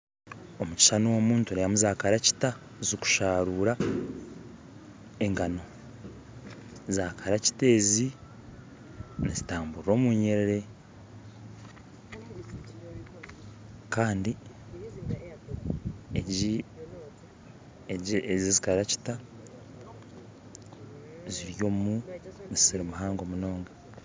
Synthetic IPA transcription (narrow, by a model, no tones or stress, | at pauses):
o̞muci̥ʃanowomuːntuɾejamuzaːkaɾaci̥ta | zoku̥ʃaːɾuːɾa | e̞ŋɡano̞ | zaːkaɾaci̥te̞ːzi | nezitaːmbuɾɾo̞ːmuːɲeɾeɾe̞ | kaːndi | ei | zizikaɾaci̥ta | ziɾjo̞ːmunisiɾimuɦaːŋɡo̞muno̞ːŋɡa